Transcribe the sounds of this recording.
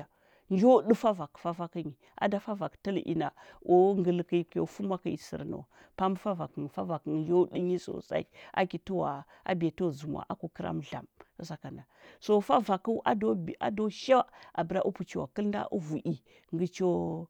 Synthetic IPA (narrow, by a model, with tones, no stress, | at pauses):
a˨ | nd͡ʒo˦du˦fa˦va˨kfa˦fa˦kə˦ɲi˨ | ʔa̰˨da˦fa˦va˨ktə˦lʔḭ˨na˨ʔo˦ŋɡə˦lki˦ko̰˦fu˦mʷ˦a˦ka˨i˨sḭ˨ɾno̰˨w | pa˦m˦fa˦va˨kə˨nfa˦va˨kə˨nnd͡ʒo˦di˦ɲi˦so̰˨sa̰˦i˦ʔa̰˦ki˨tu˦wa̰˨ | a̰˦be˨to˦wzu˨mwa̰˨ʔa˦ku˨kə˦ɾa̰˦mɮa̰˨m˦sa˨ka˨na˨so˦fa˦va˨ku˦ʔa˦do˦˨a̰˦do˦ʃa˦wa˦a˨bə˨ɾa˦ʔu˦pu˨t͡ʃi˨wa˨kə˦lnda̰˦ʔu˦vu˨ʔi˨ | ŋɡə˦t͡ʃo˦